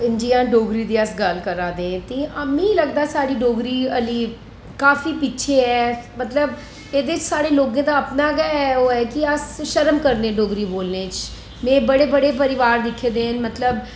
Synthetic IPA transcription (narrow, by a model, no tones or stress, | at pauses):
ɪnd͡ʒijãːɖoːɡɾiːd̪iːəsɡəlkəɾaːd̪ẽːt̪eːʔəmĩːləɡd̪aːsaːɽiːɖoːɡɾiːəliː | kaːfiːpiːʃʰeːɛːmət̪ləb | eːd̪eːɪt͡ʃsaːɽeːloːɡãːd̪aːəpnaːɡɛːɛoːɛːkɪəsʃəɾəmkəɾnẽːɖoːɡɾiːboːlnẽːt͡ʃ | mɛ̃ːbəɽeːbəɽeːp̬əɾɪʋaːɾd̪ɪkʰːeːd̪ẽːɦənmət̪ləb